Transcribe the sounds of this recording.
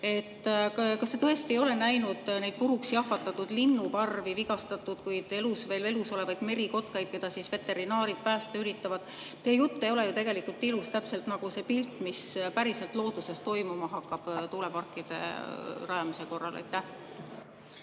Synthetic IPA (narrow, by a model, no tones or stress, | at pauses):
e̞t̪ːkɑst̪e̞t̪ɤe̞st̪iejo̞le̞næjnud̪̥ne̞jd̪̚puɾuksijɑɦvɑt̪ːˑɑt̪ːud̪̥linːupɑrviviɡɑst̪ɑt̪ːˑud̪̥kujd̪̥e̞lusve̞ːle̞luso̞le̞vɑjd̪̥me̞ɾiko̞t̪̚kɑjd̪̥̚ke̞d̪̥ɑsisve̞t̪ːˑe̞ɾinɑːɾid̪̥̚pæːst̪eyɾit̪ːˑɑvɑd̪̥ | t̪eːjut̪ːe̞jo̞le̞jut̪e̞ɡ̥e̞likult̪ːˑilust̪æpse̞lt̪nɑɡ̥use̞ːpilt̪ːˑmispæɾise̞lt̪lo̞ːd̪̥use̞st̪o̞jmumɑɦɑkˑːɑb̥t̪ule̞pɑrkːˑid̪̥e̞̰rɑjɑmise̞ko̞rːɑ̰lʔḛjt̪ːˑæh